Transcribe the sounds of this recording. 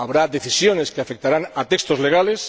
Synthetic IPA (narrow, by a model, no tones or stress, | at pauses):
aβɾaðeθisjoneskeafek̚t̪aɾanat̪ekst̪ozleɣ̞ales